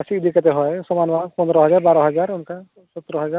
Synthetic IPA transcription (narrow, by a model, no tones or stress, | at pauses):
asiːd̪ikat̪eɦɔjsɔmanbapɔnd̪ɾɔɦɔzaɹbaɾɔɦɔzaɹunka | sɔt̪ːɾɔɦɔza